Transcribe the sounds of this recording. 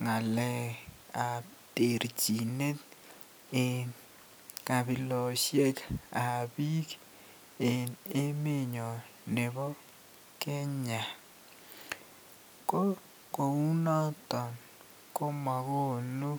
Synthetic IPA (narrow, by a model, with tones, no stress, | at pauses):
ŋa˨lɛ˨a˨ | te˨ɾd͡ʒi˨ne˦t̪ | e˨n | ka˨bɪ˨lɔ˨ʃje˦ka˨bi˦k | e˨ne˦mɪ˦ɲɔ˨ | ne˨bɔ˦ | kɪ˦ɲa˨ | ko˦ | ko˨u˦nɔ˦tɔ˨n | ko˦ma˨ɡo˦˨nu˦